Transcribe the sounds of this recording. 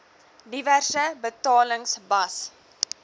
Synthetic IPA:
diværsəbətɑːləŋsbɐs

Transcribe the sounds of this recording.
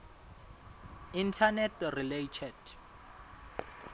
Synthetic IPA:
intʰanɛtʰriletʰɛd̥

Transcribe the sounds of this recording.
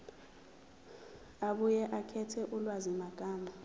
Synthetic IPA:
aɓujɛʔakʰɛtʰɛʔulwazimaɡ̥ʱʼaːmbʱa

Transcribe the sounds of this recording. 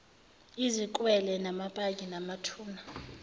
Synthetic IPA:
izikʼwɛlɛnamapʼak̬ʼinamatʰuːna

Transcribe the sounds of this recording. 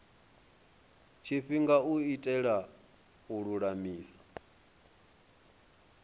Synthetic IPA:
t͡ʃʰiɸiŋɡauitʼɛɺa | uɺuɺamiːsḁ

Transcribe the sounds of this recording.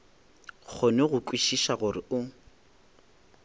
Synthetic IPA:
k͡xʰʊnɛɣʊkʼwiʃiʃaɣʊrɪʔʊ

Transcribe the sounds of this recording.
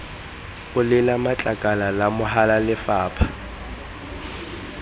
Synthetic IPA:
ʊlɪlamat͡ɬʼakʼalalamʊɦalalɪfaːpʰḁ

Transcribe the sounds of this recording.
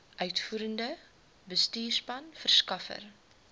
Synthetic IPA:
ʔœɥtfuːɾəndə | bəstiːrspɐnfərskɐfə̰r

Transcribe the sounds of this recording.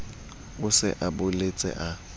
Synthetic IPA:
ʊsɪ̰ʔabʊlet͡sʼɛ̰ʔa

